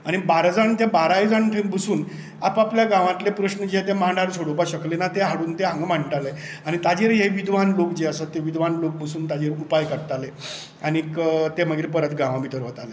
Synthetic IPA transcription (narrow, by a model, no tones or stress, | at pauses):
aɽ̃ibaɾd͡zaɳt̪ebaɾaid͡zaɳʈʰẽkbəsuːn | apapljaɡãʋãt̪lepɾəɕnəd͡ʑeet̪emãɳɖaɾsʰoɽopaɕəklenat̪eɦaɽuːnt̪eɦãŋɡmaɳʈale | aɽ̃it̪ad͡ʑeɾɦeʋid̪ʱʋanlokd͡ʑeasət̪ːeʋid̪ʱʋanlok̚bəsuːnt̪ad͡ʑeːɾupajkəɾt̪ale | anikt̪eməɡiːɾpəɾət̪ɡãʋãmit̪əɾʋət̪ale